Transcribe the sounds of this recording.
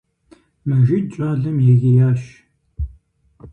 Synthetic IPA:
mɐʒit͡ɕʷʼaːɮɨmjɛɣɪjaːɕ

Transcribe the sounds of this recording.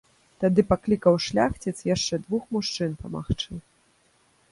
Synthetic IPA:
t̪ad̪ɨpaklʲikɐwʂlʲaxt͡sʲɛt̪sjaʂt͡ʂɛd̪vuxmuʂt͡ʂɨnpɐma̰xt͡ʂɨ

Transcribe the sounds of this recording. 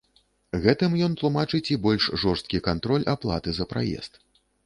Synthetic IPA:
ɣɛt̪ɨmjɔnt̪lˠumat͡ʂɨt͡sʲibɔlʲʂʐɔrst̪̚kʲikant̪ɾɔlʲaplˠa̰t̪ɨzɐpɾa̰jɛ̰st̪̚

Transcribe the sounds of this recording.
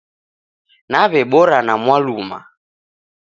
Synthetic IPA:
naβɛɓɔɾanamwaluma̰

